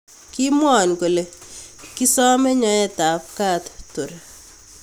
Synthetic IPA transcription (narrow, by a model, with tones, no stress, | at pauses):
ki˦mwɔ˨nko˨le˨ki˦sɔ˦me˦ɲɔ˨ɛ˦ta˨p̚ka˦tto˨ɾa˨